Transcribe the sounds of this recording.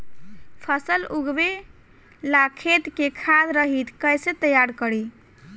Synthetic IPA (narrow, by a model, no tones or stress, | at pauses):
pʰəsəluɡbe | lakʰet̪kekʰad̪ɾəɦit̪ʰkəjset̪əjaɾkəɾi